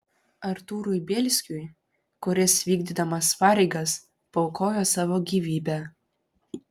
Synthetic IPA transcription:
ɐɾt̪uːɾʊjbʲɛlʲsʲkʲjuj | kʊɾʲɪsʋʲiːɡʲd̪ʲid̪ɐmɐspɑːɾʲɛɪɡɐs | pɐʊkoːjoːsɑːʋoːɡʲiːʋʲiːbʲæ

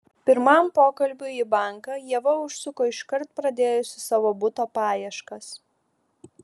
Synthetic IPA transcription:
pʲɪɾmɐmpoːkɐlʲbʲʊibɑˑŋkɑjiɛʋɐʊʃsʲʊkoːɪʃkɐɾt̪̚pɾɐd̪ʲeːjʊsʲɪsɑːʋoːbʊt̪oːpɑːjɛʃkɐs

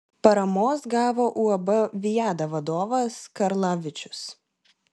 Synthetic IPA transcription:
pɐɾɐmoːsɡɑːʋoːʔuɐbɐʋʲɪjæːd̪ɐʋɐd̪oːʋɐskɐɾlˠɑːʋʲɪt͡ʃʲʊ̥s

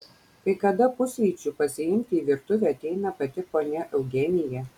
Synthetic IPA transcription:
kɐɪkɐd̪ɐpʊsʲʋʲiːt͡ʃʲʊpɐsʲɪjɪmʲt̪ʲɪːʋʲiɾt̪ʊʋʲɛɐt̪ʲɛɪnɐpɐt̪ʲɪpoːnʲɛʔɛʊɡʲɛnʲɪjɛ

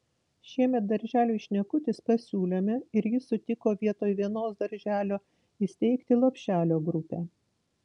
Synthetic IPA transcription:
ʃʲiɛmʲɛt̪̚d̪ɐɾʲʒʲæːlʲuːɪʃʲnʲɛkʊt̪ʲɪspɐsʲuːlʲoːmʲɛɪɾjɪsʊt̪ʲɪkoːʋʲiɛt̪oːjʋʲiɛnoːsd̪ɐɾʲʒʲæːlʲoː | ɪsʲt̪ʲɛɪkt̪ʲɪlˠopʲʃʲæːlʲoːɡɾʊpʲɛː

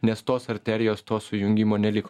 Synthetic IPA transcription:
nʲɛst̪oːsɐɾʲt̪ʲɛɾʲɪjoːst̪oːsʊjʊŋʲɡʲɪmoːnʲɛlʲɪk

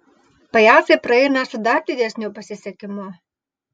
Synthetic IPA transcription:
pɐjɑsʲepɾɐɛjnɐsʊd̪ɑd̪ʲɪd̪ʲɛsʲnʲupɐsʲɪsʲɛkʲɪmo

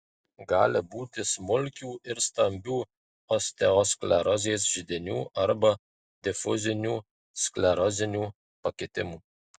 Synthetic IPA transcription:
ɡɑːlʲɪbuːt̪ʲɪsmʊlʲkʲuːɪɾst̪ɐmʲbʲuː | ɔsʲt̪ʲɛɔsklʲɛɾɔzʲeːsʒʲɪd̪ʲɪnʲuːʔɐɾbɐ | d̪ʲɛfʊzʲɪnʲuː | sklʲɛɾɔzʲɪnʲuː | pɐkʲet̪ʲɪmuː

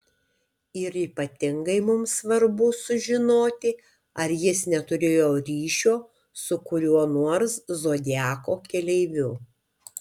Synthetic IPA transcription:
ɪɾiːpɐt̪ʲɪŋɡɐɪmʊmsʋɐɾbʊsʊʒʲɪnoːt̪ʲɪ | ɐɾjɪsnʲɛt̪ʊɾʲeːjoːɾʲiːʃʲoː | sʊkʊɾʲuɔnuɔɾszoːd̪ʲæːkoːkʲɛlʲɛɪʋʲʊ

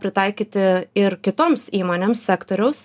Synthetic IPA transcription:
pʲɾʲɪt̪ɐɪkʲiːt̪ʲɪɪɾkʲɪt̪oːmsiːmoːnʲeːmssʲæːkt̪oːɾʲɛʊs

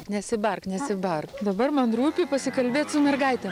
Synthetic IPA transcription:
nʲɛsʲɪbɐrknʲɛsʲɪbɐrkd̪ɐbɐrmɐnruːpʲɪpɐsʲɪkɐlʲbʲeːt̪ʲsʊmʲɛrɡɐɪt̪ʲɛ

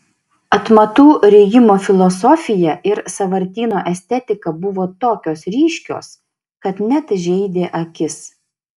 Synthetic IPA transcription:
ɐt̪mɐt̪uːɾʲɛɡʲɪmoːfʲɪlˠɔsɔfʲɪjɛʔɪɾsɐʋɐɾʲt̪ʲiːnoːʔɛsʲt̪ʲɛt̪ʲɪkɐbʊʋoːt̪oːkʲoːsɾʲiːʃʲkʲo̰ːs | kɐt̪nʲɛt̪ʒʲɛɪd̪ʲeːʔɐkʲɪs

